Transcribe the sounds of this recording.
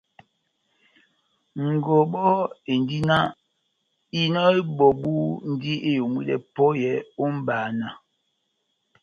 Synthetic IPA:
ŋ̩˨ɡɔ˨ɓɔ˦e˨n˨di˦na˦ | i˦nɔ˦e˦ɓɔ˨ɓu˦n̩˦di˦e˦jo˨mwḭ˦dɛ̰˨pɔ˦jɛ˨˦o˦m̩˦baː˨na˨

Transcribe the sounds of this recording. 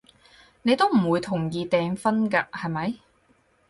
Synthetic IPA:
ne˨˧jt̪o˥wm̩˨˩wuː˨˧jt̪ʰʊ˨˩ŋjiː˨˧t̪ɛː˨˧ŋfɐ˥nkɐː˧hɐ˨jmɐ˨˥j

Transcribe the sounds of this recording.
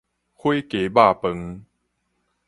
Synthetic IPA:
kʰwe˦ke˨˦ba˥˨pə˧ŋ

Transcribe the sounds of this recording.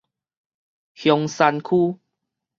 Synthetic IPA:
hjɔ˧ŋsa˧nkʰu˦

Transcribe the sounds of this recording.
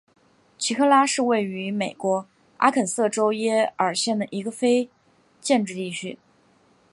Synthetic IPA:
t͡ɕʰi˧˥kʰɤ˥˧la˥ʂɻ̩˥˧we˥˩ɪy˧˥me˨˩ɪkwɔ˧˥ | a̰˥kʰə˨˩nsɤ˥˩ʈ͡ʂo˥ʊjɛ˥ə˞˨˩ɕjɛ˥˩nd̪ə˩ʔi˧˥ɡə˧fe˥ɪ | t͡ɕjɛ˥˧nʈ͡ʂɻ̩˥˧t̪i˥˩t͡ɕʰy̰˥

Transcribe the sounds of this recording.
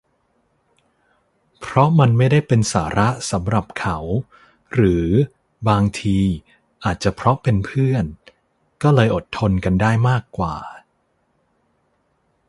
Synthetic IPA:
pʰɾɔ˦˥ma˧nma˥˩jda˥˩jpe˧nsaː˩˦ɾʔa˦˥ʔsa˩˦mɾa˨˩p̚kʰa˩˦w | ɾɯː˩˦ | baː˧ŋt̪ʰiː˧ | ʔaː˨˩t̪̚t͡ɕa˨˩pʰɾɔ˦˥pe˧npʰɯ˥˩ən | kɔː˥˩lɤː˧jʔo˨˩t̪ʰːo˧nka˧ndaː˥˩jmaː˥˩kːwa̰ː˨˩

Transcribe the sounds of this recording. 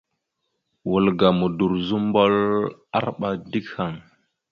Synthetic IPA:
wu˨lɡa˨mu˨du˨ɾzu˦mbo˦la˦ɾɓa˨di˦kha˨ŋ

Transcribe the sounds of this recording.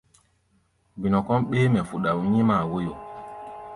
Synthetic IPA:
bi˨nɔ˨kɔ˦nɓeː˦mɛ˨fu˨ɗa˨wɲĩ˦ma˨wo˦jo˨

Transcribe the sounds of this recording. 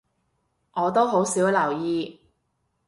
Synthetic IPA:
ŋɔː˨˧t̪o˥wɦo˨˥wsiː˨˥wlɐ˨˩wjiː˧

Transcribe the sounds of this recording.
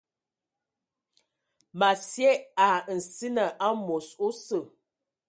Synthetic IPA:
ma˨sjɛ˦a˨n̩˨si˦nə˨ʔa˦mo˨so˦sə˨

